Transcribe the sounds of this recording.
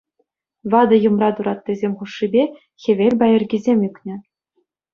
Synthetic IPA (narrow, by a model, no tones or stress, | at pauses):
ʋɑd̪ɤ̆jɤ̆mrɑt̪uɾɑt̪ːizʲemʲχuʂːibʲe | xʲĕʋʲelʲbɑjɘ̆rʲɡʲizʲemʲykʲnʲɘ̆